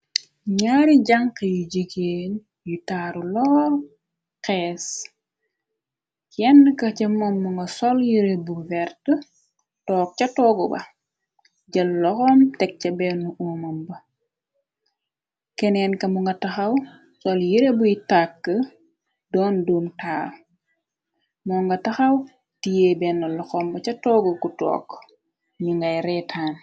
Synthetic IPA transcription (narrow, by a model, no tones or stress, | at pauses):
ɲaːɾiɟaŋkɐjuɟiɡeːn | jutaːɾulɔːr | qɛːs | kjɛnːəkɐcɐmɐmːuŋɡɐsɔljiɾebuvɛrtə | tɔːk̚cɐtɔːɡɔbɐ̰ | ɟɐlːɔxɔmtɛk̚cɐbɛnːuʔumɐmbɐ | kɛnɛːnkɐmuŋɡɐtɐxɐw | sɔljiɾebujitakːə | dɔːnduːmtaːr | mɔːŋɡɐtɐxɐw | tijebɛnːɐlɔxɔːmbɐt͡ʃɐtɔːɡɔkutɔ̰ːk | ɲuŋɡɐjɾɛtʰaːn